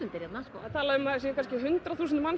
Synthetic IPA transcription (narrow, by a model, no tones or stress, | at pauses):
ʏnt̪ɪɾjɛt̪naskːaðt̪ʰaːlaʏmaðsjɛkanscɪɦʏnt̪ɾaθuːsɪnman